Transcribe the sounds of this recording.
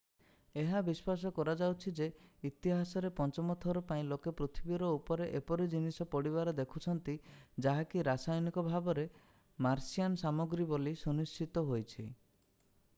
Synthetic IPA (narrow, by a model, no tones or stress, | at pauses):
eɦabispas̬ɔkɔɾad͡ʒawt͡ʃʰid͡ʒeit̪iɦasɔɾepɔnt͡ʃɔmɔt̪ʰɔɾɔpaĩlokepɾut̪ʰibiɾɔupɔɾeʔepɔɾid͡ʒinisɔpɔɽiβaɾɔd̪ekʰut͡ʃʰɔnt̪id͡ʒaɦakiɾasajɔnikɔbʱabɔɾe | maɾsijansamɔɡɾibolisunist͡ʃit̪ɔɦojt͡ʃʰi